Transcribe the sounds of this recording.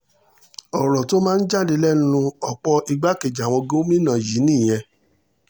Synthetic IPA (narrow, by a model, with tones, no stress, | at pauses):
ɔ˨ɾɔ˨to˦mãː˦˧n̩˦d͡ʒa˦˨de˧lɛ˦n˦nũ˧ɔ˨k͡pɔ˧i˧ɡ͡ba˦ke˨d͡ʒa˨w̃ɔ̃˧ɡõ˦mĩ˦nã˨ji˨˦nĩ˦˨j̃ɛ̃˧